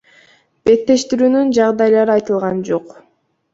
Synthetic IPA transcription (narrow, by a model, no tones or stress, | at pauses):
b̥e̞t̪ːe̞ʃt̪iɾyːnynd͡ʒɑʁd̪ɑjlˠɑɾɯɑjt̪ɯlˠʁɑnd͡ʒo̞q